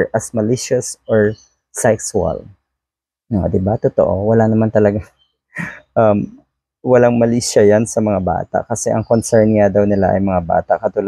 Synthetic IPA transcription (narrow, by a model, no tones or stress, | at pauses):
ʔɐsmɐlɪʃosʔoɹ | sɛksɐ̰l | od̪ɪbat̪ot̪o̰ʔowɐlanɐmant̪ɐlɐɡaŋ | ʔɐm | wɐlaŋmɐliʃɐjansɐmɐŋaba̰ːt̪a̰ʔkɐsɛʔɐŋkonsɛɹnŋad̪ɐwnɪlaʔɐ̰jmɐŋaba̰ːt̪ɐʔkɐt̪ul